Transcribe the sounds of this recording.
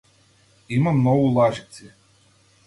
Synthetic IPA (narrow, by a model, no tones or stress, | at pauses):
imamnɔʋulˠaʒit̪si